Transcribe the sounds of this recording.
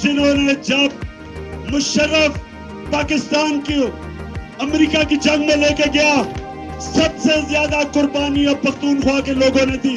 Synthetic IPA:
d͡ʒɪnɦõːned͡ʒɐb̚ | mʊʃəɾːəf | paːkɪst̪aːnke | ɐmɾiːkakid͡ʒɐ̃ŋɡmẽleːkeɡɐja | sɐbsezjaːd̪akʊɾbaːniɔːpɐxt̪uːnxwaːkeloːɡõned̪iː

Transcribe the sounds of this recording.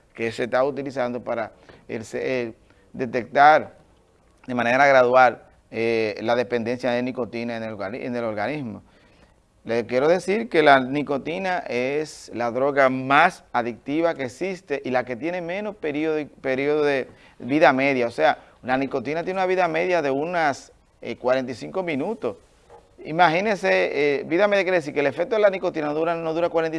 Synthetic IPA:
kese̞t̪aut̪ilisand̪o̞paɾa | elsee | d̪e̞t̪e̞k̚t̪aɾ | d̪e̞mãne̞ɾaɣɾaðwal | elaðe̞pe̞nd̪e̞nsjaðeniko̞t̪inanḛnelo̞ɾɣanizmo̞ | lekje̞ɾo̞ðe̞siɾke̞laniko̞t̪inaʔeslaðɾo̞ɣamasaðik̚t̪iβakeːksist̪e̞ʔilake̞t̪je̞ne̞mẽ̞no̞speɾioðpeɾioðoðe | biðame̞ðjaosealaniko̞t̪inat̪jeneunaβiðame̞ðjaðe̞unas | ḛkwaɾent̪isiŋko̞mĩnut̪o̞s | ḭmaɦinẽseebiðameðjakjeɾeesiɾkelefek̚t̪oelanikot̪inanoðuɾanoðuɾakwaɾeni

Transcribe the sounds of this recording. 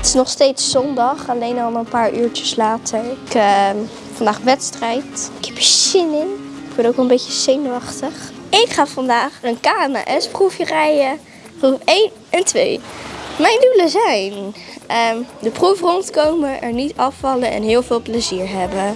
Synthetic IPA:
ətɪ̥snɔχstejtsːɔndɑχɑlejnɑlˠənpaːɹʔyːɹt͡ʃəslaːtʰəɹɪk | fɑndaːχʋɛtstrɛjtɪkɛpjəsɪnɪŋ | ɪkʋənowkʋɛlˠəmbejcəz̥ejnoɑχtəχɪkχaːfɑndaːχənkaːna̰ʔɛsprufjərɛjə | prufejn | ɛntʋḛjmɛjnduləzɛjnədəprufrɔntkowməʔɛ̰ɹnitɑfːɑlənɛ̰nɦɪːlˠvɪːlˠpləziːɹɦɛbə

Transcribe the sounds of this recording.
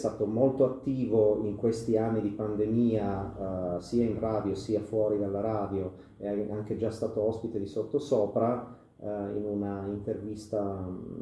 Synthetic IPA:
st̪aːt̪omolt̪oat̪ːiːvoiŋkwest̪ianːid̪ipand̪emiːa | siːainraːd̪josiːafwɔːɾid̪alːaɾaːd̪jo | ɛaŋked͡ʒast̪aːt̪oɔspit̪ed̪isot̪ːosɔːpɾa | ḭnunaint̪ervist̪a

